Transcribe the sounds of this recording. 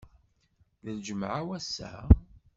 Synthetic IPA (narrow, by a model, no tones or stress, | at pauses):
ðəld͡ʒəmʕawæsːæ̰